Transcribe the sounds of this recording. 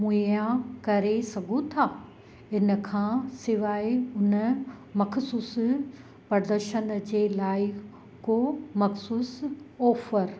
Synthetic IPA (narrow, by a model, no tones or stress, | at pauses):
mũãkɐɾesɐɡʱũt̪ʰaː | ɪnə̆kʰãːsɪʋaːɪʊnəmɐkʰsuːs | pɾɐɾd̪əɾʃənd͡ʑeːlaːɪ | koːmɐxsuːsɔːfəɾ